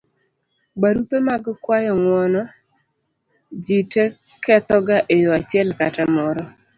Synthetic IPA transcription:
baɾupemaɡkwajɔŋwɔnɔ | d͡ʒite | kɛt̪ɔɡaʔejoat͡ʃɪɛlkatamɔɾɔ

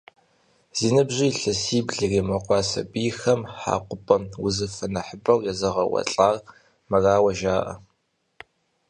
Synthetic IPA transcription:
z̥iːnɐbʑɪːɬɐsiːbɮɨriːmɐqʷɑːsɐ̰biːxɐmħa̰ːqʷʊpʼɐmwʊzɨfɐnɐħəbɐwjɛzɐʁɐwɐ̰ɬʼaːr | mɐraːwɐʒaːʔɐ̰

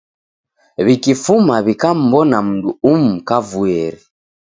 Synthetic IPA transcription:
βikifumaβikam̩bɔnam̩nduum̩kavuɛɾi

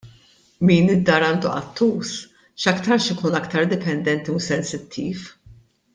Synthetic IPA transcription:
miːnɪd̪ːɐːɾɐːnd̪uʔɐ̰t̪ʰːuːs | ʃɐkt̪ɐɾʃɪkuːnɐkt̪ɐɾd̪ɪpɛnd̪ɛnt̪iusɛnsɪt̪ʰːiːf

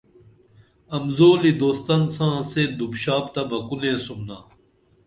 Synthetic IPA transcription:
ɐmzoːlid̪oːst̪ɐnsãːseːd̪ubɕaːpt̪ɐbɐkunẽːsumnã̰ː

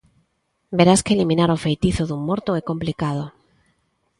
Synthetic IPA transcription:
beɾaskeelimĩnaɾofejt̪iθoðuŋmoɾt̪oɛkomplikað̞o

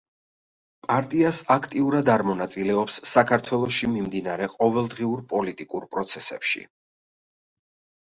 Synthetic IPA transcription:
pʼaɾt̪ʼiasakʰt̪ʼiuɾad̪aɾmɔnat̪sʼilɛɔpsːakʰaɾt̪ʰwɛlˠɔʃimimd̪inaɾɛqʼɔvɛlˠd̪ʁiuɾpʼɔlit̪ʼikʼuɾpʼɾɔt̪sʰɛsɛpʃḭ

